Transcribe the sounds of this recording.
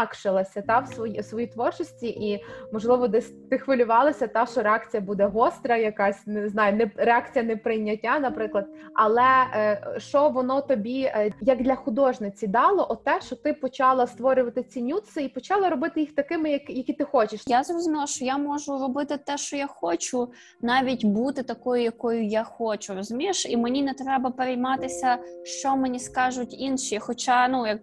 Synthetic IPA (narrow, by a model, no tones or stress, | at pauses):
kʃɪlˠɐsʲɐt̪ɑwsʋɔjisʋɔjit̪ʋɔrt͡ʃɔsʲtʲiʔimɔʒlˠɪʋɔd̪ɛsʲt̪ɪxʋɐlʲʊʋɑlˠɐsʲɐt̪ɑʃt͡ʃɔɾeɑkt͡sʲijɐbud̪ɛɦɔst̪ɾɐjɐkɑsʲneznɑjʊnɛɾeɑkt͡sʲijɐnɛpɾɪjnʲːɐtʲːanɐpɾɪklˠɐd̪̚ɐlˠɛ | ʃt͡ʃɔʋɔnɔt̪ɔbʲijɐkd̪ʲlʲɐxʊd̪ɔʒnɪt͡sʲid̪ɑlˠɔʔɔt̪ɛʃt͡ʃɔt̪ɪpɔt͡ʃɑlˠɐst̪ʋɔɾʲʊʋɐt̪ɪt͡sʲinʲut̪sɪipɔt͡ʃɑlˠɐɾɔbɪt̪ɪjixt̪ɐkɪmɪjɐkjɐkʲit̪ɪxɔt͡ʃɪʃjazrɔzʊmʲilˠɐʃt͡ʃɔjamɔʒʊɾɔbɪt̪ɪt̪ɛʃt͡ʃɔjaxɔt͡ʃʊ | nɑʋʲitʲbut̪ɪt̪ɐkɔjʊjɐkɔjʊjaxɔt͡ʃʊɾɔzʊmʲiʃimenʲinɛt̪ɾɛbɐpeɾʲejmɑt̪ɪsʲɐʃt͡ʃɔmenʲiskɑʒʊtʲinʃixɔt͡ʃɑnujɐk̚